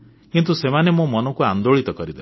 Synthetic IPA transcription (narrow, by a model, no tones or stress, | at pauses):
kint̪usemanemõmɔnɔkuand̪oɭit̪ɔkɔɾid̪e